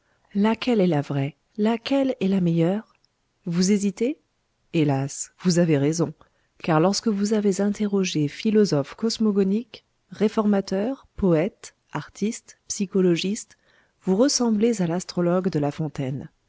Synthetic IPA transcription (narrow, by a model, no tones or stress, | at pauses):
lakʲɛlɛlavʁɛ | lakʲɛlɛlamɛjœʁ | vuzezit̪e | elasvuzaveʁezɔ̃ | kaʁlɔʁskəvuzavezɛ̃t̪eʁɔʒefilɔzɔfkɔsmɔɡɔnik | ʁefɔʁmat̪œʁpɔɛt̪ | aʁt̪ʰist̪psikɔlɔʒist̪ | vuʁəsɑ̃blezalast̪χɔlɔɡd̪əlafɔ̃t̪ɛn